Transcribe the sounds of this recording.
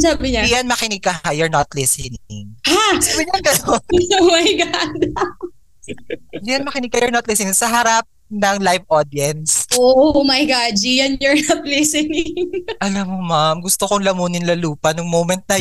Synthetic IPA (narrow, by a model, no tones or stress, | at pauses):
saːbɪɲaijɐnmɐkɪnɪɡ̚kːɐajɔɹnɐt̪lɪsɛnɪŋhabɪjɐnkɐj̪omɐjɡad̪o | d̪ijɐnmɐkɪnɪɡ̚kɐjɔɹnɐt̪lɪsɪnɪŋsɐɦɐɾap̚nɐŋlajvʔod̪jɛnsʔoʔmɐjɡad͡ʒijɐnjɔɹnɐt̪̚lɪsɛnɪŋŋʔɐlɐmːomamɡʊst̪okoŋlɐmuːnɪnlɐluːpɐnʊŋmowmɛnt̪̚nɐ